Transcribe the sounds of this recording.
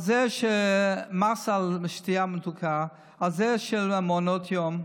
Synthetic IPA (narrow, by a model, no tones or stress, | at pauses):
azɛʃemasalʃtiamət̪ukʰa | alzɛʃelamonot̪ʰjom